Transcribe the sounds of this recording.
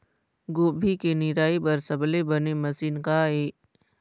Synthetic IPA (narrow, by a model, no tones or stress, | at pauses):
ɡoːbʱikenɪɾaːipɐɾsɐblebənemɐsiːnkaeː